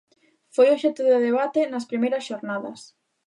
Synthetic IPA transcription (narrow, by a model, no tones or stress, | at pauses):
fojoʃɛt̪ʊðɪðeβ̞at̪enɐspɾimejɾɐsʃoɾnaðɐ̰s